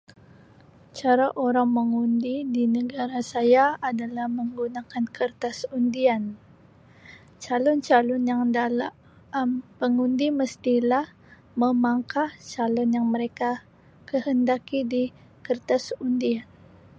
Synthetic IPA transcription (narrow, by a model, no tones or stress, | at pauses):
t͡ʃaɾaʔoɾaŋməŋundidinəɡaɾasajaadalahməŋɡunakankʰərt̪asundian | t͡ʃalɔnt͡ʃalɔnjaŋdal | mpəŋundiməst̪ilah | məmaŋkat͡ʃalɔnjaŋməɾeka | kəhəndakidi | kərt̪asundian